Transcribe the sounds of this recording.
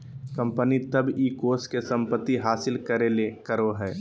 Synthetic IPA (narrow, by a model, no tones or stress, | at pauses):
kə̃mpənit̪əbiːkoːskesə̃mpət̪ːiɦaːsɪlkəɾelekəɾoɦɛː